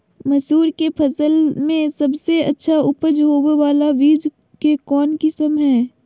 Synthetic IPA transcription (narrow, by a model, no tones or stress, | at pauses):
mɐsuːɾkepʰɐsəlmẽsɐbseɐ̰tːʃʰaʊpəd͡ʒɦoːweʋaːlaʋiːd͡ʒ | kekɔːnkɪsəmɦɛː